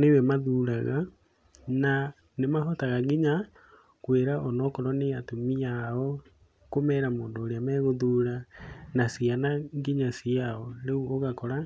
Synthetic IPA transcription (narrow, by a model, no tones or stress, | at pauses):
newɛmaðuːɾaɣa | na | nemaɦɔtaɣaɡiɲa | kweɾaʔɔnɔkɔɾɔneatomijaɔ | komɛɾamoːndoːɾeamɛɣoðuːɾanasianaɡiɲasiaɔɾeuoɣakɔɾa